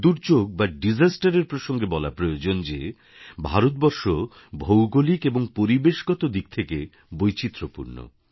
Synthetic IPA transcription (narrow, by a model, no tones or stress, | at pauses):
d̪uɾd͡ʑoɡ̚baɖid͡ʑasʈaɾeɾpɾoʃoŋɡebɔla̰pɾojod͡ʑond͡ʑe | bʱaɾot̪̚bɔɾʃo | bʱowɡolikeboŋpoɾibeʃɡɔt̪od̪ik̚t̪ʰeke | bojt͡ɕit̪ːɾopṵɾno̰